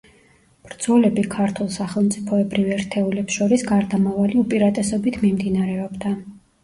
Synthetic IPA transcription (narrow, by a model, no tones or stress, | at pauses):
b̥ɾd̪z̥ɔlɛbikʰaɾt̪ʰulˠsaχɛlˠmt̪sʼipʰɔɛbɾivɛɾt̪ʰɛulɛpsʃɔɾisɡaɾd̪amavaliupʼiɾat̪ʼɛsɔbit̪ʰmimd̪inaɾɛɔbd̪a